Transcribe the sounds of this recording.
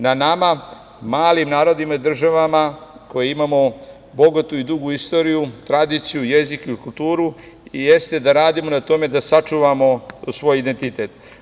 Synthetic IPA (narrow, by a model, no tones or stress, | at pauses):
nanama | maːlimnaːɾo̞d̪imaid̪r̩ʒaʋamako̞jeimamo̞ | bo̞ɡat̪uid̪uɡuist̪o̞ɾijut̪ɾad̪iːt̪sijuje̞zikikult̪uːɾu | ije̞st̪e̞d̪aɾaːd̪imo̞nat̪o̞me̞d̪asat͡ʃuʋamo̞sʋo̞ːjid̪e̞nt̪it̪e̞t̪